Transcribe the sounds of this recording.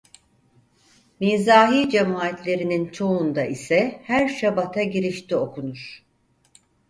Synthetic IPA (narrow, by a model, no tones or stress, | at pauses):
miːzaːɦiːd͡ʒemaːt̪ʰlʲe̞ɾinint͡ʃʰo̞und̪aʔisɛhæɾʃabat̪ʰaɟiɾiʃt̪ʰio̞kʰunuɾ̥